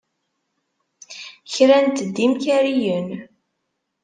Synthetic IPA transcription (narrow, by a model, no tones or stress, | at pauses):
çɾænt̪d̪ːimçæɾijən